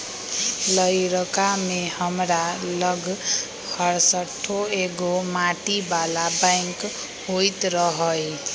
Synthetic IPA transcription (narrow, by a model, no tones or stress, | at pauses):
lʌjɾʌkamehʌmɾalʌɡ | hʌrsʌʈʰːoeɡomaʈibalabajŋk | ɦojt̪rʌɦʌj